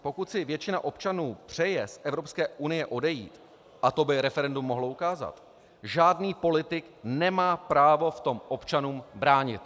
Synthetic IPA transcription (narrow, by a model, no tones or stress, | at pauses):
po̞kut̪sɪvjɛt͡ʃɪna̰ʔo̞pt͡ʃanuːpr̝̥ɛjɛsʔɛvɾo̞pskɛːʔunɪjɛʔo̞dɛjḭːt̪ | ʔat̪o̞bɪɾɛfɛɾɛndumːo̞ɦloukaːza̰t̪ | ʒaːdniːpo̞lɪt̪ɪknɛmaːpɾaːvo̞ft̪o̞mʔo̞pt͡ʃanuːmbɾaːɲɪ̰t̪